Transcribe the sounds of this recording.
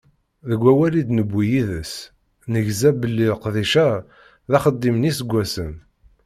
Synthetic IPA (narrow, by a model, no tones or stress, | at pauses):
ðəɡʷːæwælid̪nəbːijiðəs | nəʝzæbəlːilqðiʃæ | ðæχəd̪ːimnisəɡʷːæsən